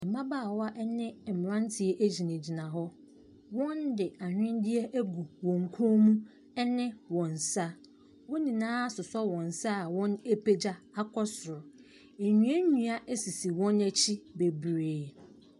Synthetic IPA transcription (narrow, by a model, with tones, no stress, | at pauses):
ɛ˨mã˦ba˦˨wɔ˦a˦ʔɛ˦nɪ̃˦ɛ˨m˨ɾã˦n˦tʰɪ˨ɛ˦ʔæ˦d͡ʑi˨nẽ˨d͡ʑi˨nã˨ɦɔ˦ | wɔ̃˦ndɪ˨a˨ɲᶣ˦ɪ̃˦n˦dɪ˦ɛ˦ʔæ˦ɡu˨wɔ̃˨ŋ̩˨kʰo˦mũ˦ | ɛ˦nɪ̃˦wɔ̃˨n˨sa˦ | wɔ̃˦nĩ˨nãː˦a˦sʊ˨sɔ˦wɔ̃˨n˨sa˦˨wɔ̃˦ne˦pʰe˦d͡ʑa˦a˦kʰɔ˦sʊ˨ɾʊ˨ | e˨ɲũ˨˦æ˦ɲũ˨a˦ʔe˦si˨si˨wɔ̃˦næ˨t͡ɕʰi˦be˨bɾeː˨